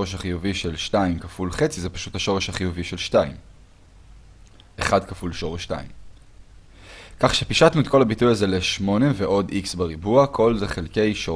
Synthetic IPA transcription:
oeʃ̬haχijuviʃe̞lʃtaimkafulχe̞t͡sizepḁʃuthaʃoʁeʃhaχijuviʃe̞lʃtaim | eχadkafulʃo̞ʁeʃta̰ḭm | kaχʃepiʃatnuet̪̚ko̞labitujazeleʃmo̞ne̞veʔo̞dʔiksbaʁibuakʰo̞lze̞χelke̞jʃo

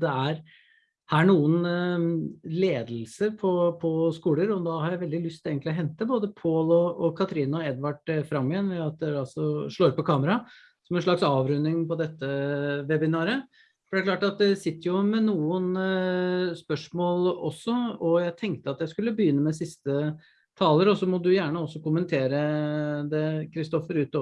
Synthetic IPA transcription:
d̪ɛæɾ | hæɳuːən | leːd̪lsəɾpʰɔpʰɔskuːləɾɔd̪ɑːhɑɾjæɪʋɛld̪ɪlʉst̪ʰɪleːɡənt̪lɪɔɦɛnt̪əboːd̪əpʰoːlɔːkʰɑt̪ʰɾiːnɔɛd̪ʋɑɖfɾɑmːɪənʋɛɑt̪̚d̪ɛɾɑlsɔʂɭoːɾpɔkʰɑːməɾɑ | sɔmɛnʂɭɑksɑːʋɾʉnːɪŋpɔd̪ɛt̪ːəʋɛbɪnɑːɾə | fɔɖ̪æɾklɑːʈɑt̪̚d̪ɛsɪt̪ːəɾjʊmɛnuːən | spœʂmoːlɔsːɔɔjæɪt̪ʰɛŋk̚t̪əɑt̪jæɪskʉlːəbəjʏnːəmɛsɪst̪ə | t̪ʰɑːləɾɔsɔmɔd̪ʉjæːɳəɔsːɔkʊmənt̪ʰeːɾəd̪ɛkʰɾɪst̪ɔfəɾʉːt̪

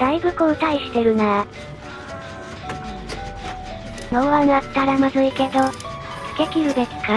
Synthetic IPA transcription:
d̪̥aiɡɯ̟kɯːt̪aiɕi̥t̪e̞ɾɯ̟naa | noβanat̪ːaɾamazɨike̞d̪o̞ | sɨ̥ke̞kʲiɾɯ̟b̪et͡sɨ̥ka

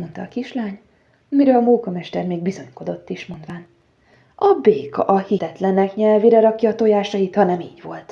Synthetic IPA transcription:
ont̪ɒ̰ːkiʃlaːɲ | miɾøːlɒmoːkɒmɛʃt̪ɛrmeːɡbizo̞ɲko̞d̪o̞t̪ːiʃmo̞nd̪ʋaːn | ɒbeːkɒ̰ʔɒhit̪ɛt̪lɛnɛkɲɛlviɾɛɾɒkjɒt̪o̞jaːʃɒjit̪hɒnɛmiːɟvo̞lt̪

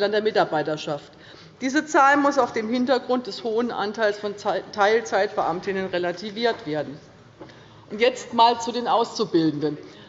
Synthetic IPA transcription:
lɐndeːɐmɪtaɐbaɪtɐʃaft | d̥iːzət͡saːlmʊsaʊfd̥eːmhɪntɐɡʁʊnt̚d̥ɛshoːənʔa̰ntʰaɪlsfɔntʰaɪlt͡saɪtb̥əʔamtɪnənʁelatʰiviːɐtv̥eːɐdn̩ | ʔʊntjɛt͡stmaːlt͡sudeːnʔaʊst͡subɪldn̩dən

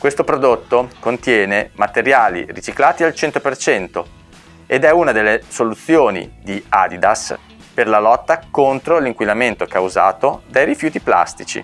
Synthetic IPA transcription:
kwest̪opɾod̪ot̪ːokont̪jɛːnemat̪eɾjaːlḭrit͡ʃiklaːt̪ialt͡ʃɛnt̪opert͡ʃɛnt̪o | ed̪ɛunad̪elːesolut̪sːjoːnḭd̪ia̰d̪id̪as | perlalɔt̪ːakont̪ɾoliŋkwilament̪okawza̰ːt̪od̪ajɾifjuːt̪ipla̰st̪it͡ʃḭ

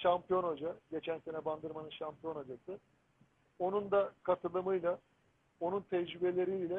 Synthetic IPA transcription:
ʃampijo̞nad͡ʒaɟe̞t͡ʃʰænse̞nɛband̪ɯɾmanɯnʃampijo̞nad͡ʒasɯ | o̞nund̪akʰat̪ʰɯlˠɯmɯjlˠa | o̞nunt̪ʰɛd͡ʒɾybelʲeɾilʲɛ

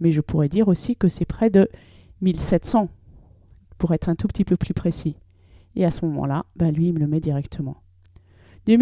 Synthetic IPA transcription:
mɛʒəpuʁɛd̪iʁosikəsɛpχɛd̪ə | milsɛt̪sɑ̃ | puʁɛt̪χɛ̃t̪upət̪ipøplypχesi | easəmɔmɑ̰̃labɛ̃lɥiːmələmɛd̪iʁɛkt̪ʰəmɑ̰̃ | d̪øm

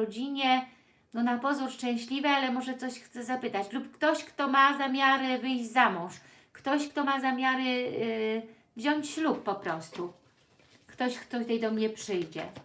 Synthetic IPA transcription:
ɔd͡ʑiɲɛ | nɔnapɔzuɾʂt͡ʂɛ̃w̃ɕlʲivɘalɛmɔʐɛt̪sɔɕxt̪sɛzapɘt̪at͡ɕlupkt̪ɔɕkt̪ɔmazamʲjaɾɛvɘjʑd͡ʑzamɔ̃w̃ʂ | kt̪ɔɕkt̪ɔmazamʲjaɾɛ | vʑɔɲt͡ɕɕluppɔpɾɔst̪u | kt̪ɔɕkt̪ɔt̪ɛjd̪ɔmɲɛpʂɘjd͡ʑɛ̰

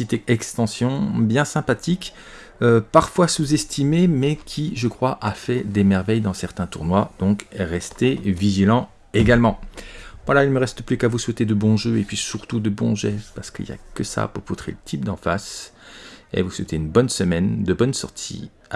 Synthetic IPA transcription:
it̪ɛkst̪ɑ̃sjɔ̃bjɛ̃sɛ̃pat̪ik | øpaʁfwasuzɛst̪ʰimemɛkʲʰiʒəkχwaʔafɛd̪emɛʁvɛjd̪ɑ̃sɛʁt̪ɛ̃t̪uʁnwad̪̥ɔ̃kʁɛst̪eviʒilɑ̃ | eɡalmɑ̃vwalailməʁɛst̪əplykavuswɛt̪ed̪əbɔ̃ʒøepɥisyʁt̪ud̪əbɔ̃ʒɛfpaʁsə̥kḭlja̰kəsa̰puʁput̪χḛlət̪ʰip̚d̪ɑ̰̃fa̰s | ḛvuswet̪eynbɔnsəmɛnd̪əbɔnsɔ̰ʁt̪ʰḭ

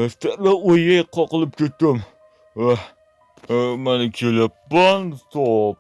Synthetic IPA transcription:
st̪aɾlaojajqʰːɒqɨlˠɪp̚kʲʰet̪ːɪm | a | manɪkʲʰelɪpːant̪ʰop̚

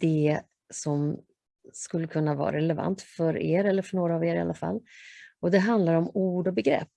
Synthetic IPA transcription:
d̪̥ɛ | sɔm | skɵlːəkʰɵnːavɑ̰ːɾa̰ɾɛlɛva̰nt̪fœɾḛːɾɛlːəɾfœɳoːɾaːveːɾɪa̰lːafa̰lːɔd̪ɛɦand̪laɾɔmuːɖɔbɛɡɾɛ̰pː

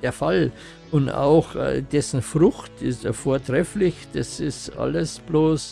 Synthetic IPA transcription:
eːɐfal | ʔʊnta̰ʊxːd̥ɛsn̩fʁʊxtɪstfoːɐtʁ̥ɛflɪçd̥asɪstʔa̰ləsb̥loːs

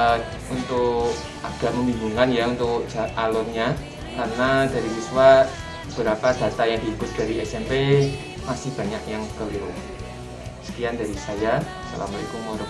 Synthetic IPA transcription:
unt̪ʊk | aɡ̥a̤ʔməmimbuŋanjaunt̪ʊkd͡ʒ̥aalʊrɲa | karnad̥a̤ɾisiswa | əb̥əɾapad̥a̤t̪ajaŋd̥i̤ikʊt̪̚d̥a̤ɾiɛsɛmpe | masɪhb̥a̤ɲakjaŋkəliɾʊ | sə̥kianda̤ɾisaja | sə̰la̰maḭkumoɾə

